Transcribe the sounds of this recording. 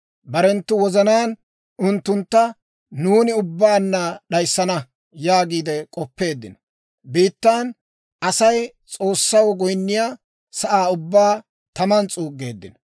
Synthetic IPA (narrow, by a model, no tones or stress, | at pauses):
bɐɾɛnt̪ːʊwɔzɐnaːn | ʊnt̪ːʊnt̪ːɐ | nuːnɪʊbːaːnːɐɗɐjsːɐnɐ | jaːɡiːd̪ɛkʼɔpːe̞ːd̪ːɪnɔ | biːt̪ːaːn | ʔɐsɐj | t͡sʼo̞ːsːɐwɔɡɔjnːɪjaː | sɐʔaːʊbːaː | t̪ɐmɐnt͡sʼuːɡe̞ːd̪ːɪnɔ